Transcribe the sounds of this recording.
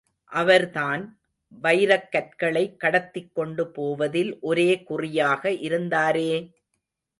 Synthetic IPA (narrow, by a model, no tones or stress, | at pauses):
ʔɐʋɐɾt̪aːn | bɐɪɾɐkːɐʈ̚kɐɭɐɪkːɐɽɐt̪ːɪkːɔɳɖɯpoːʋɐðɪlʔɔɾeːkʊrɪjaːɣɐʔɪɾɯnd̪aːɾeː